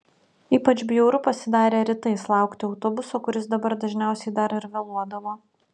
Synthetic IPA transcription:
iːpɐt͡ʃʲbʲjɛʊɾʊpɐsʲɪd̪ɑːɾʲeːɾʲɪt̪ɐɪslˠɑˑʊkt̪ʲɪɒʊt̪obʊsoːkʊɾʲɪsd̪ɐbɐɾd̪ɐʒʲnʲæˑʊsʲɛɪd̪ɐɾɪɾʋʲɛlˠuɔd̪ɐʋoː

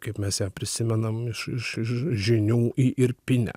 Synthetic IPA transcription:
kɐɪpmʲɛsjæːpʲɾʲɪsʲɪmʲɛnɐmɪʃɪʃɪʃʒʲɪnʲuːʔɪʔɪɾpʲɪnʲɛ̰

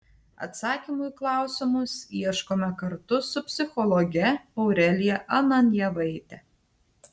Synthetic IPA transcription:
ɐ̰t̪sɑːkʲimʊjklˠɑˑʊsʲɪmʊsiɛʃkoːmʲɛkɐɾt̪ʊsʊpʲsʲɪxɔlˠɔɡʲɛɔʊɾʲɛlʲɪjɛʔɐnɐnʲjɛʋɐɪt̪ʲɛ

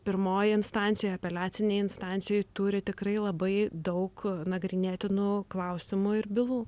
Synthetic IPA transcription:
pʲɪɾmoːjɪɪnst̪ɑːnʲt̪sʲjojɐpʲɛlʲæːt̪sʲɪnʲɛɪɪnst̪ɑːnʲsʲɪjojt̪ʊɾʲɪt̪ʲɪkɾɐɪlˠɐbɐɪd̪ɐʊknɐɡɾʲɪnʲeːt̪ʲɪnʊklˠɐʊsʲɪmʊɪɾbʲɪlˠuː

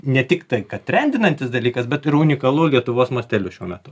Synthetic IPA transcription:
nʲɛt̪ʲɪkt̪ɐɪkɐtt̪ʲɾʲɛnʲd̪ʲɪnɐnʲt̪ʲɪsd̪ɐlʲiːkɐsbʲɛt̪ɪɾʊnʲɪkɐlˠuːlʲiɛt̪ʊʋoːsmuːsʲt̪ʲɛlʲuʃʲuɔmʲɛt̪ʊ

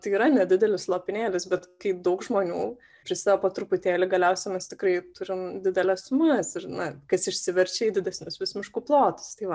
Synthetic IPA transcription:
t̪ɐɪiːɾɐnʲɛd̪ʲɪd̪ʲɛlʲɪslˠoːpʲɪnʲeːlʲɪsbʲɛt̪kɐɪd̪ɐʊkʒmoːnʲuː | pʲɾʲɪsɑːʋopoːt̪ɾʊpʊt̪ʲeːlʲɪɡɐlʲɛʊsʲɛmʲɛst̪ʲɪkrɐɪt̪ʊɾʲɪmd̪ʲɪd̪ʲɛlʲɛssʊmɐsɪrnɐkɐsɪʃʲsʲɪʋʲɛɾʲt͡ʃʲɛiːd̪ʲɪd̪ʲɛsʲnʲʊsʋʲɪsmʲɪʃkuːplˠoːt̪ɐ̥st̪ɐɪʋɐ

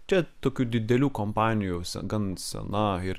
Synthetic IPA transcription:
t͡ʃʲɛt̪oːkʲuːd̪ʲɪd̪ʲɛlʲuːkompɑːnʲɪjusʲɛ̰ɡɐnsʲɛ̰nɐɪɾ

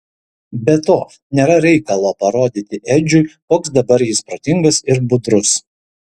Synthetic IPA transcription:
bʲɛt̪oː | nʲeːɾɐɾʲɛɪkɐlˠoːpɐɾoːd̪ʲit̪ʲɪʔɛd͡ʒʲʊɪkoːksd̪ɐbɐɾjɪspɾoːt̪ʲɪŋɡɐsɪɾbʊd̪ɾʊs

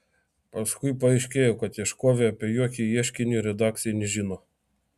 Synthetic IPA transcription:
pɐskʊjpɐɛɪʃʲkʲeːjɔkɐt̪jɛʃkoːʋʲɛɐpʲɛjokʲijɛʃʲkʲɪnʲʊɾʲɛd̪ɑk̪̚sʲɪjɛnʲɛʒʲinɔ

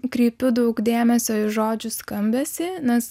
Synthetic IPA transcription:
kɾʲiːpʲʊd̪ɐʊkd̪ʲeːmʲɛsʲoːɪʒoːd͡ʒʲʊskɐmʲbʲɛsʲɪnʲɛs

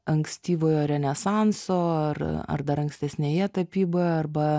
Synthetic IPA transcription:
ɐŋksʲt̪ʲiːʋoːjoːɾʲɛnʲɛsɑnsoːɐrɐ̰rd̪ɐɾɐŋksʲt̪ʲɛsʲnʲeːjɛt̪ɐpʲiːboɐrbɐ

